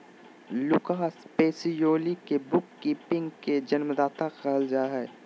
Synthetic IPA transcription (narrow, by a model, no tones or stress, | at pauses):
lʊkaːɦspeːsijoːlikebʊkːiːpɪ̃ŋɡked͡ʒɐnmd̪aːt̪aqɛɦəld͡ʒaːɦɛː